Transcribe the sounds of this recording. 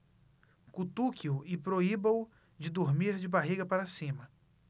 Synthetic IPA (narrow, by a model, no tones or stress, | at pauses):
kut̪ukʰiuɪpɾoibɐ̃ʊ | d͡ʒɪd̪uɾmiɾd͡ʒɪbaɦiɡɐpaɾasĩmɐ